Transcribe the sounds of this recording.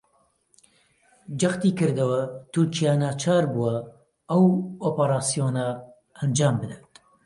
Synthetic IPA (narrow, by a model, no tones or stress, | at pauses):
d͡ʒɐxt̪iːkɨɾd̪ɐwɐt̪ʰʊɾt͡ʃijaːnaːt͡ʃʰaːɾbuɐ | ɐwoːpɐɾaːsijoːna | ɐnd͡ʒaːmbɨd̪ɛt̪